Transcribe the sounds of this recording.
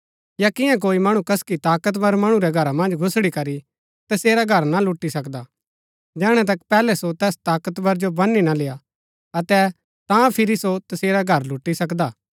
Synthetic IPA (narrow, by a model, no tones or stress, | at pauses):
jakɪjãk̬oːimɐɽ̃ũkɐskit̪aːkət̪bɐɾmɐɽ̃ũɾɛɡʱɐɾamɐ̃nd͡ʒɡʱʊsɽikɐɾi | t̪ɐseːɾaɡʱɐɾnalʊʈːisɐkd̪a | d͡ʒɛːɽ̃ɛ̃t̪̬ɐkpɛːlɛsot̪ɛːst̪aːkət̪bɐɾd͡ʒobɐnːinaleːa | ɐt̪ɛ | t̪ãpʰɪɾisot̪ɐseːɾaɡʱɐɾlʊʈːisɐkd̪aː